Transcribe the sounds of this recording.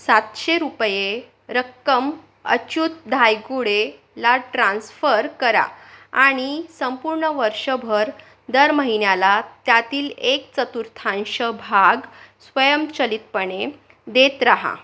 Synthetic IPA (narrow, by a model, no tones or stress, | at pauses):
sat̪ɕeɾupje | ɾəkːəm | ə̰t͡ɕut̪̚d̪ʱajɡuɽe | laʈɾãnsfəɾkəɾa̰aɽ̃isəmpuɾɳəʋəɾʂəbʱəɾ | d̪əɾməɦinjalat̪jat̪iːlekt͡sət̪uɾt̪ʰãnɕəbʱaɡsʋəjəmt͡ɕəlit̪̚pəɳe | d̪et̪ɾaɦa̰